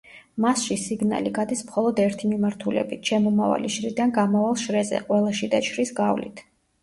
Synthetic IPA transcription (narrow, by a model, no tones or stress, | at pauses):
masʃisiɡna̰liɡad̪ismχɔlˠɔd̪ɛɾt̪ʰimimaɾt̪ʰulɛ̰bit̪ʰʃɛmɔmava̰liʃɾid̪anɡamavalˠʃɾɛzɛ̰qʼwɛlˠaʃid̪at͡ʃʰɾisɡavlḭt̪ʰ